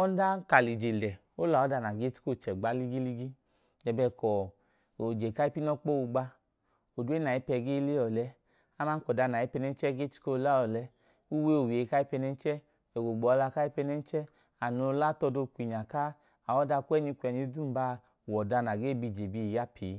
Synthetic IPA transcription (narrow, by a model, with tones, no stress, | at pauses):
ɔ˦n˦da˦ka˨li˨d͡ʒe˨lɛ˨ | o˦la˨ɔ˨˦da˧˨na˨ɡe˦tu̥˦ko˦˨t͡ʃɛ˨ɡ͡ba˨˦li˦ɡi˦li˦ɡi˦ | dɛ˨bɛ˧˨kɔ˨ | o˨d͡ʒe˨ka˦i˦pi˦nɔ˦k͡po˦u˧ɡ͡ba˧ | o˨du˦e˦na˨i˦pɛ˧˨ɡe˦le˦ɔ˨lɛ˧ | a˦ma˦kɔ˨da˧˨na˨i˨˦pɛ˧nɛ˧n˦t͡ʃɛ˦ɡe˦ti̥˦ko˦˧la˦ɔ˨lɛ˧˦ | u˦we˦o˨we˨ka˦i˦pɛ˧nɛ˧˦n˦t͡ʃɛ˦ | ɛ˨ɡo˨ɡ͡bɔ˨˧la˧˨ka˦i˦pɛ˧nɛ˧˦n˦t͡ʃɛ˦ | a˨no˧˦la˦˨tɔ˧do˧kʷi˨ɲa˨ka˦ | a˨wɔ˦da˧kʷɛ˦ɲi˧kʷɛ˨ɲi˨˧˦du˦m̩˦ba˦ | wɔ˨da˧na˨ɡe˦˨bi˧˨d͡ʒe˨bi˧˨ja˦pʰiː˨˦